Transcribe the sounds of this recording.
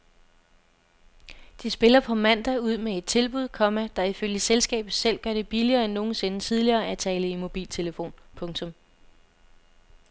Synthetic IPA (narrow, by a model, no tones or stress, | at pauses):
d̥isb̥e̝lɐpʰɒ̽mæn̰d̥æuð̞̰ˠmee̝d̥̚t͡sʰe̝lb̥uð̰ˠkʰɒ̽mæd̥ɑ̈iføljəselsɡ̥ɛ̰ːb̥ð̩ˠsel̰ɡ̥ɶɐɾ̥e̝b̥iliɐːenːo̝ːn̩se̝nət͡sʰið̞ˠliɐːæt͡sʰɛːləimo̝b̥ḭːlt͡sʰe̝ləfo̝̰ːnpʰɔ̽ŋt͡sʰɔ̽m